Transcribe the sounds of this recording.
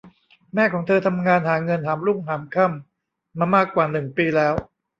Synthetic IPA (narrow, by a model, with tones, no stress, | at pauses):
mɛː˥˩kʰɔː˩˦ŋt̪ʰɤː˧t̪ʰa˧mŋaː˧nhaː˩˦ŋɤ˧nɦaː˩˦mɾu˥˩ŋɦaː˩˦mkʰa˥˩mː | aː˧maː˥˩kːwaː˨˩nɯ˨˩ŋpiː˧lɛː˦˥w